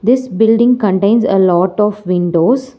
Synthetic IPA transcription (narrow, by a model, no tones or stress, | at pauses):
d̪ɪsbɪlɖɪ̃ŋɡkə̃ɳʈẽɪ̃nsə̰lɔːʈɔːfʋɪ̃ɳɖoːz